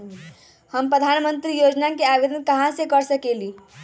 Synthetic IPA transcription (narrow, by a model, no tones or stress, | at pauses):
həmpɾəd̪ʱaːnmə̃nt̪ɾijoːd͡ʒnakeaʋed̪ənkɐɦãsekəɾsəkeliː